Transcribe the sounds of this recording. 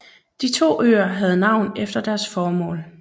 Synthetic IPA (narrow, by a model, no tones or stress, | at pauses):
d̥it͡sʰo̝̰ːʔø̰ːɐɦæð̞̩ˠnɑ̈ʊ̰nefd̥ɐd̥æɐsfɒːmɔ̰̽ːl